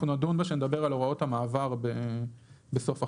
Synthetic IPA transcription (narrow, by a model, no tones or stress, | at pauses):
unad̪unbaʃened̪abe̞ʁaloʁao̞thamaːvaʁbe | beso̞fa